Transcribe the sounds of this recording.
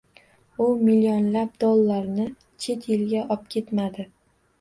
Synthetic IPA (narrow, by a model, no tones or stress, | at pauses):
ʊmiliɒnlap̚d̪olˠːaɾnɪ | t͡ʃʰe̞t̪ʰjɪlɡʲaʔɒp̚kʲʰe̞t̪mad̪ɪ